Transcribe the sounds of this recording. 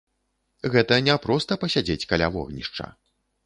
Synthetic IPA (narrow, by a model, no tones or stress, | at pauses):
ɣɛt̪ɐnʲɛpɾɔst̪ɐpɐsʲad͡zʲet͡sʲkalʲa̰vɔ̰ɣnʲiʂt͡ʂɐ̰